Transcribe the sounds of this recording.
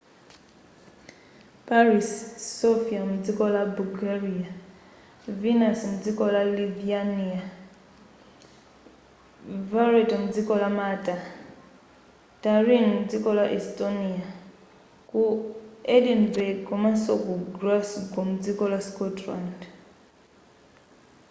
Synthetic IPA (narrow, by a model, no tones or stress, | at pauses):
paɾisːofiamud͡zikɔlabulɡaɾia | vinasmud͡zikɔlaliviania | vaɾetɔmud͡zikɔlamata | taɾinmud͡zikɔlaʔɛstonia | kuɛdinbɛɡkɔmasɔkɔɡrasɡɔmud͡zikɔlaskɔtland